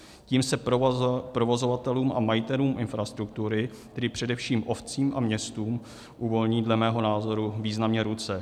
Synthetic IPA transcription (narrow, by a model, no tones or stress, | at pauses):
ciːmsɛpɾo̞vo̞zo̞vat̪ɛluːmʔa̰majɪt̪ɛluːmʔɪnfɾast̪ɾuk̚t̪uɾɪ | t̪ɛdɪpr̝̥ɛdɛfʃiːmʔo̞ft͡siːmʔamɲɛst̪uːm | ʔuvo̞lɲiːdlɛmɛːɦo̞naːzo̞ɾuviːznamɲɛɾut͡sɛ